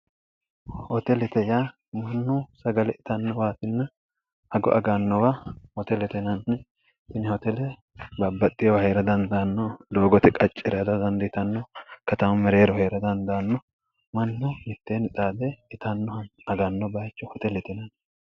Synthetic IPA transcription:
hɔt̪ɛlɛt̪ɛja | mɐnːʊsɐɡɐlɛɪt̪ɐnːɔwaːt̪ɪnːɐ | ɐɡɔ̰ʔɐɡanːɔwahɔt̪ɛlɛt̪ɛnɐnː | ɪnɪhɔt̪ɛlɛ | bɐbːɐt̪ʼːɪjɔwɐheːɾɐd̪ɐnd̪aːnːɔloːɡɔt̪ɛkʼɐt͡ʃʼːɛɾd̪ɐd̪ɐnd̪ɪɪt̪ɐnːɔkɐt̪ɐmɐmɛɾe̞ːɾɔhe̞ːɾɐd̪ɐnd̪aːnːɔ | mɐnːʊmɪt̪ːeːnɪt̪ʼaːd̪ɛɪt̪ɐnːɔɐnɐɡanːɔbɐjt͡ʃːɔhɔt̪ɛlɛt̪ɛnɐn

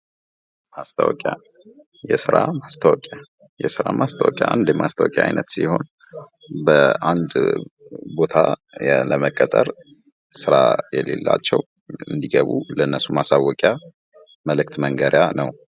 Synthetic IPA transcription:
mast̪ʰawɔkʼja | jɛsɨɾamast̪ʰawkʼja | jɛsɨɾamast̪ʰawɔkʼjaʔand̪jɛmʔast̪ʰawɔkʼjaʔa̰jnət̪siho̞n | bəand̪ | bo̞t̪ʰa | ləməkʼːət̪ʼəɾ | sɨɾajɛlelːa̰t͡ʃːɛw | ɨnd̪iɡəβuləɨnːəsumasawːɔkʼja | məlɨkt̪məŋɡəɾjanəw

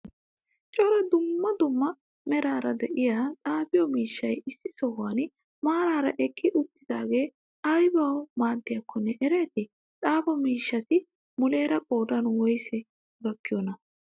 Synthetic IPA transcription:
t͡ʃʼɔɾɐd̪ʊmːɐd̪ʊmːɐ | mɛɾaːɾɐd̪ɛʔɪjaːt̪ʼaːbɪjɔmiːʃːɐjɪsːɪsɔhan | maːɾaːɾɐʔɛkʰːɪʔʊt̪ːɪd̪aːɡe̞ː | ɐjbɐwmaːd̪ːɪjɐkʰːɔnːɛʔɛɾe̞ːt̪ɪ | t̪ʼaːbɐmiːʃːɐt̪ɪ | mʊle̞ːɾɐkʼoːd̪ɐnwɔjsɛ | ɡɐkːɪjɔnɐ

